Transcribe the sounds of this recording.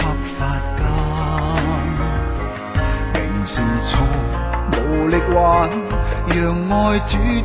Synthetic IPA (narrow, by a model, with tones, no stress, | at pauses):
ɐ˨˧p̚faː˧t̚kɐ˧˥ | m | mɪ˨˩ŋsi˨˧˩nt͡sʰu˧˥ | mo˨wlɪ˥k̚waː˧˩n | jœː˨ŋːɔː˧˥jt͡ʃyː˨˥